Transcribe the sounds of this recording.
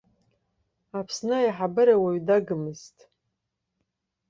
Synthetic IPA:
apʰsnɨjħabɨɾawaɥdaɡɨmɨztʼ

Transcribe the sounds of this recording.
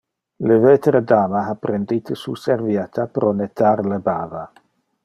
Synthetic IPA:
levet̪ɾed̪aːmaɦapɾend̪it̪əsuseɾvjat̪ʰapɾʔɔnet̪aɾlebaːva

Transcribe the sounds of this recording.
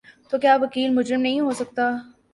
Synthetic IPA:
t̪okjaːʋɐkiːlmʊd͡ʒɾɪmnɐɦĩɦosɐk̚t̪a

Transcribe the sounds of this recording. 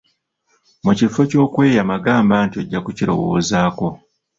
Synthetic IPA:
mucifoco̞ːkwe̞ːjamaɡaːmbantioɟːakuciɾo̞̰wo̞ːzaːko̞

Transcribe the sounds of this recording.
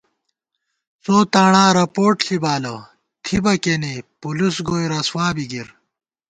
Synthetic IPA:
t͡soːt̪aːɳãːɾɐpoːʈɬibaːlɐ | t̪ʰibɐkenipulusɡoːjɾɐswaːbiɡiɾ

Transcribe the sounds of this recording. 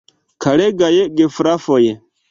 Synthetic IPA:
kʰaɾeɡajeɡefɾafɔjɛ

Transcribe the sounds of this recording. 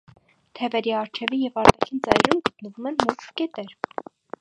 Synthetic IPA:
t̪ʰɛvɛɾiɑɾt͡ʃʰɛvijɛvɑɾt̪ɑkʰint͡sɑjɾɾumɡət̪nəvumɛnmuskkɛt̪ɛɾ

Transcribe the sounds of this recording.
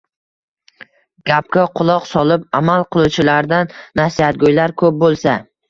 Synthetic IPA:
ɡ̥ʲap̚kʲaqʰʊlˠɒqsɒlˠɪpamalˠqʰɨlˠut͡ʃʰɪlaɾd̪anːasiat̪̚ɡʲojlaɾkʰɵp̚bolˠsa

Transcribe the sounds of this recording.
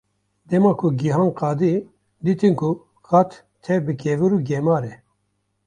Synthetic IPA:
d̪ɛmɑːkʰuɡiɦaːnqɑːd̪i | d̪iːt̪inkʰu | kɑt̪ | t̪ʰɛbɨkʰɛvɨɾuɡɛmɑːɾɛ

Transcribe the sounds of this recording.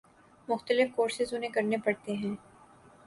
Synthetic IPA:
mʊxt̪əlɪfkoːɾsɪzʊnɦẽkɐɾnepɐɽt̪eɦɛ̃ː

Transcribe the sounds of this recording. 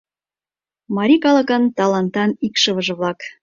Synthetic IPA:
mɑɾʲikɑlɑkɑnt̪ɑlɑnt̪ɑnikʃɤ̆βɤ̆ʒɤ̆βlɑk

